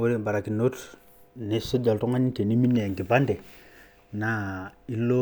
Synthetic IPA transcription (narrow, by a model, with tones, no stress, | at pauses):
o˦ɾe˦mba˨ɾa˨ki˨no˦t | ne˦su˦d͡ʒa˨ltu˦ŋa˦ɲi˦te˨ni˦mi˦nːe˨ja˨ŋki˨pa˦nde˨ | na˨˦i˦lːo˦